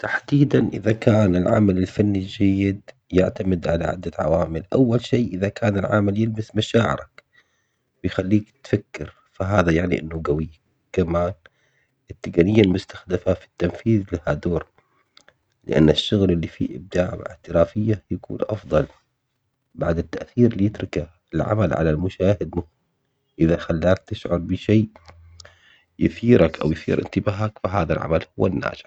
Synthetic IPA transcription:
t̪aħd̪iːd̪anʔɪðakaːnɪlʕa̰malɪlfanːid͡ʒajːɪd̪ | jaʕt̪amɪd̪ʕala̰ʕa̰d̪ːat̪ʕa̰waːmɪlʔawːalʃeːʔɪðakʰaːnɪlʕa̰ːmaljɪlbasmaʃaːʕɪ̰ɾak | wɪjxalːiːkt̪fakːɪɾ | faɦaːðajaʕnḭʔɪ̰nːaɡawiː | kamaːn | ɪt̪ːɪɡanɪjːalmʊst̪ḁxd̪afafi̥t̪ːamfiːðlahad̪oːɾ | lɪ̰ʔa̰nːaʃːʊɣlɪlːifḭʔɪ̰b̚d̪aːʕmɪ̰ʕt̪ɪɾaːfɪjːajakṵːnʔɑfðˤɑl | baʕd̪ɪt̪ːaʔθiːɾlijɪt̪ɾɪka | ɪlʕa̰malʕa̰lalmʊʃaːhɪd̪mʊhɪm | ʔɪðaxalːaːk̚t̪ɪʃʕʊɾˤbɪʃeː | jɪθiːɾakʔa̰wjθḭːɾʔɪ̰nt̪ɪbaːɦakfaɦaːðalʕa̰malhʊwːa̰nːa̰ːd͡ʒɪ̥ħ

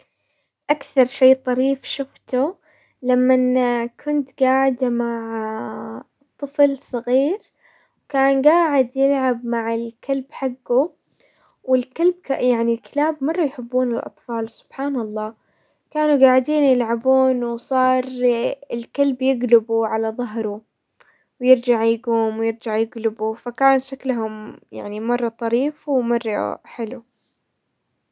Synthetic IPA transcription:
ʔakθɑɾˤʃeːt̪ˤɑɾiːfʃʊft̪u | lamːankʰʊnt̪ɡaːʕɪd̪amaʕ | t̪ˤːɨflsˤɑɣiːɾ | wkaːnɡaːʕɪd̪jɪlʕabmaʕɪlkʰalbħaɡːu | wɪlkalb̚kajaʕnilkɪlaːbmɑrˤːɑjħɪbːuːnɪlʔɑ̰t̪ˤfɑːlsʊ̥b̥ħaːnɑlˤːɑː | kaːnuɡaːʕɪd̪iːnjɪlʕabuːnwsˤɑːɾˤɪlkalbjɪɡlɪbuʕalaðˤɑɦɾˤu | wjɪɾd͡ʒaʕjɡuːmwjɪɾd͡ʒaʕjɪɡlɪbufakaːnʃaklɦʊmja̰ʕnimɑrˤːɑt̪ˤɑɾiːfwmɑrˤːɑ̰ħɪlu

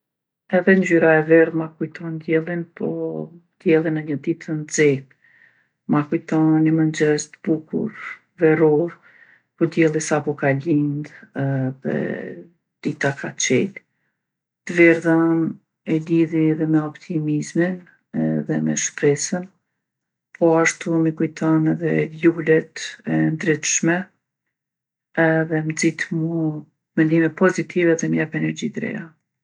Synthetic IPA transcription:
ɛðɛnzyɾaɛvɛɾmakujt̪ʰɔnd̪jɛlˠinpʰɔ̰d̪jɛlˠinəɲəd̪it̪ʰənd͡zɛ | makujt̪ɔnimənd͡ʒɛzt̪əb̥ukṵɾ | vɛɾɔɾ | pɔd̪jɛlˠisapɔkalind̪ɛðɛ̰ | d̪̥it̪akat͡ʃɛ̰l | t̪əvɛɾðan | ɛliðiðɛmɛɔpt̪ʰimizmin | ɛðɛmɛ̰ʃpɾɛsən | pʰɔaʃt̪umikujt̪ʰɔnɛðɛlulɛt̪ɛnd̪ɾit̪ʃmɛ | ɛðɛməd͡zit̪mu | mɛnd̪imɛpɔzit̪ʰivɛðɛmjapɛnɛɾd͡ʑit̪ɾɛ̰ja

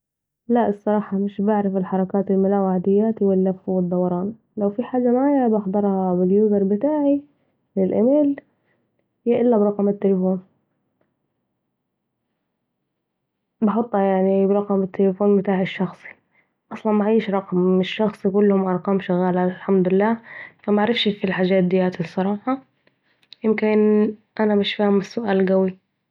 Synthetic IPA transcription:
laʔɨsˤːɑɾˤɑːħɑmɪʃbɪʕɾɪfɪlħɑɾˤɑkaːt̪ɪlmʊlaːwaʕd̪ɪjːaːt̪iwɪlːafwɪd̪ˤːɑwɑɾˤɑːn | lawfiħaːd͡ʒamaʕaːjabɑħd̪ˤɑɾˤhɑbɪljuːzɑɾˤbɪt̪aːʕi | lɪlʔameːl | jaʔɪlːabɾˤɑqmɪt̪ːɪlɪfoːn | bɑħɑt̪ˤːɑjaʕnibɾˤɑqɑmɪt̪ʰːɪlɪfoːnbɪt̪aːʕɪʃːɑxsˤi̥ | ʔɑsˤlɑnmaʕiːʃɾˤɑqmɪʃːɑxsˤikʊlːhʊmʔɑɾˤqɑːmʃaɣaːlalħamd̪ʊɪlːaːfamaʕɾɪfʃfilħaːʒaːt̪̚d̪ɪjaːt̪ɪsˤːɑɾˤɑːħɑ | jɪmkɪnʔanamɪʃfiːhʊmɪsːʊʔaːlɡawi

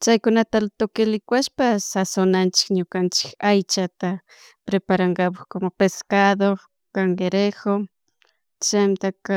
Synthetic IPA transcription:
t͡ʃajkʊnat̪alt̪okɪlɪkwaʃpasasonant͡ʃɪ̥kɲokant͡ʃɪ̥kajt͡ʃat̪a | pɾepaɾaŋɡapaχkomopeskaðo | kaŋɡeɾexo | t͡ʃamt̪aka

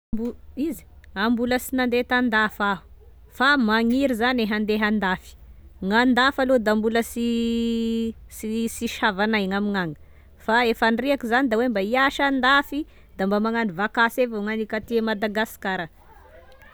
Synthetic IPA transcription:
buizi̥ambuləsinand̪et̪and̪afaɦu̥ | famaŋiɾizaneɦand̪eɦand̪afi̥ŋand̪afalod̪ambuləsi | sisiʃavanajŋamiŋaŋə̥ | faefanriakizanid̪awembaiaʃand̪afi | d̪ambamaŋanivakasevaŋanikat̪iemad̪aɡasi̥kaɾa

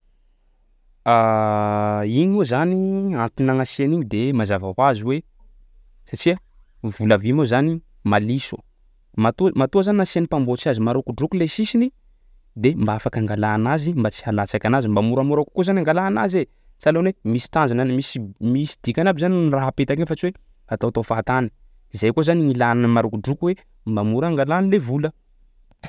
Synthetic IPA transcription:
a | iɲuzaniant̪inaŋaseniɲid̪emazavakwaziwe | saʈ͡ʂia | vulavimozani | malisṵ | mat̪umat̪uazaninasenipambot͡siazimaɾokuɖ͡ʐukulesisini | d̪embaafakaŋɡalaːnazimbat͡si̥halat͡sakʲanazimbamuɾamuɾaku̥kuzanaŋɡalaːnaze | t͡salonwemisi̥t̪and͡ʒananimisimisid̪̥ikʲanabizanniraɦapet̪akefat͡siwe | at̪awat̪ofat̪ani̥ | izajkuzaniŋilananəmaɾukuɖ͡ʐukuwe | mbamuɾaŋɡalanilevulə

